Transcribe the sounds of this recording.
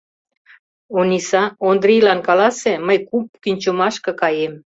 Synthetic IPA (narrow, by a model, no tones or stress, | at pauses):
onisɑond̪ɾijlɑnkɑlɑseməjkup̚kynʲt͡ɕumɑʃkɤ̆kɑjem